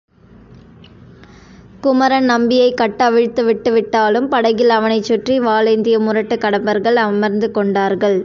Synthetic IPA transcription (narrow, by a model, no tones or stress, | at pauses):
kʊmɐɾɐnnɐmbɪjɐɪkːɐʈːɐʋɪɻt̪ːɯʋɪʈ̪ːɯʋɪʈːaːlɯmpɐɽɐɣɪlɐʋɐnɐɪt͡ʃːɔʈriʋaːlɐɪnd̪ɪjɐmʊɾɐʈːɯkɐɽɐmbɐɾɣɐɭɐmɐɾnd̪ɯkɔɳɖaːɾɣɐɭ